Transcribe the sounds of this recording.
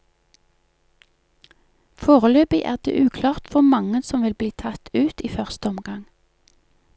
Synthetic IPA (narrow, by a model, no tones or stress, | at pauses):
foːʁəløːpiʔæ̰ːʁd̪ḛːʔʉːkʰlɑːʁt̪fɔmɑŋənsɔmʋɪlbliːt̪ʰɑt̪ʉːt̪iːfœʁst̪əɔmɡɑŋ